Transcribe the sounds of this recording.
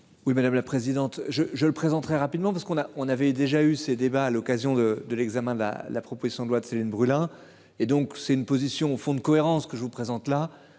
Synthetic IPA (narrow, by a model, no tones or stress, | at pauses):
wimad̪amlapχezid̪ɑ̃t̪ʒəʒələpχezɑ̃t̪ːχɛʁapid̪mɑ̃paʁsəkɔ̃naɔ̃navɛd̪eʒaysed̪ebaːlɔkazjɔ̃d̪əd̪əlɛɡzamɛ̃d̪əla̰d̪əlapχɔpozisjɔ̃d̪lwat̪selinbʁylɛ̃ | ed̪ɔ̃ksɛt̪ynpozisjɔ̃ofɔ̃d̪əkɔeʁɑ̃skəʒəvupχezɑ̃t̪la